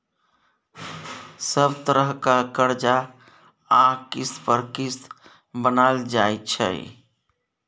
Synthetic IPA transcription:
səbt̪əɾəɦkakəɾd͡ʒa | ãkispəɾkis | bənald͡ʒaet͡ʃʰə̰j̰

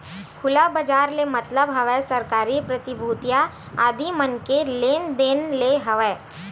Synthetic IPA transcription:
kʰʊlabəd͡ʒaːɾlemɐt̪ləbɦɐʋɛsɐɾkaːɾipɾət̪ɪbʱuːt̪ja | aːd̪imənkeleːnd̪eːnleɦɐʋɛ

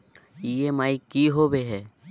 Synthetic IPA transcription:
ieːmaːikiːɦoːbeɦɛː

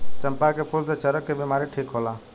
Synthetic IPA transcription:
t͡ʃəmpakepʰʊlset͡ʃəɾəkːebimaːɾiʈʰiːkɦoːlaː

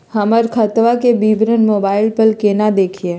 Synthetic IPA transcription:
həməɾkʰət̪ʋakebiːbʱɾənmoːbaːɪlpəlkeːnad̪eːkʰie

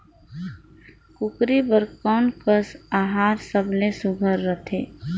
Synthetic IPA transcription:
kʊkɾibəɾkɔːnkəsaːɦaːɾsəblesʊɡʱəɾːət̪ʰḛː

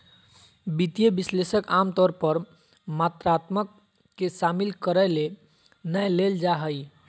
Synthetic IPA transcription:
bit̪ijəbislesəkamt̪ɔɾpəɾ | mat̪ɾat̪məkː | esamilkəɾəle | nəjleld͡ʒaɦəj

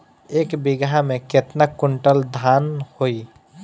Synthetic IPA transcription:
eːkbɪɡamẽket̪nakːʊɳʈəld̪ʱaːnhoi

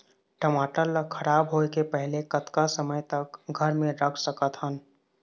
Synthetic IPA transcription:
ʈəmaːʈəlːəkʰːəɾaːbɦoːekepɛɦlekət̪kasəməjt̪əkɡʱəɾmẽɾəkʰsəkət̪ɦən

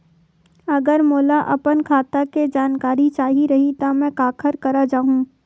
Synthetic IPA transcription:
ɐɡəɾmoːlaʔɐpənkʰaːt̪aked͡ʒaːnkaːɾit͡ʃaːɦiɾɐɦit̪amɛ̃kaːkʰəɾkɐɾad͡ʒaːɦũ

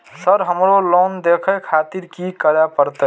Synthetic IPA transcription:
səɾɦəmɾolond̪ekʰəkʰat̪iɾkikəɾapəɾt̪ə

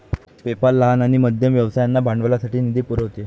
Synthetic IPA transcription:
pepallːəɦanaɽ̃iməd̪ʱjəmʋjəʋsajanːabʱaɳɖʋlasaʈiːnid̪ʱipuɾəɦot̪e

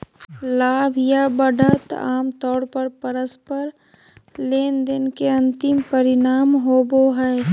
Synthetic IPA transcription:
laːbʱjabəɖʱət̪a̰ːmt̪ɔːɾpəɾpəɾəspəɾ | leːnd̪ɪnkeɐ̃nt̪ɪmpəɾɪnaːmɦoːboɦɛː

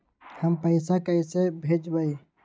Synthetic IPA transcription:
həmpəɪsakəɪsebʱed͡ʒbəi

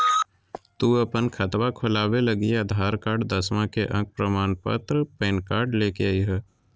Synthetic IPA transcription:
t̪uːəpənkʰət̪wakʰʊlaːweləɡiad̪ʱaːɾkaːɾɖd̪əsmãkeʔə̰̃k̚pɾəmaːnpə̰t̪ɾəpeːnkaːɾɖleːkeaiɦɛ

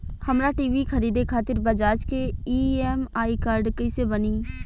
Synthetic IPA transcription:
hɐmɾaʈiːʋikʰəɾiːd̪ekʰaːt̪ɪɾbɐd͡ʒaːd͡ʒkeiːeːmaːikaːɾɖkəɪsebəniː

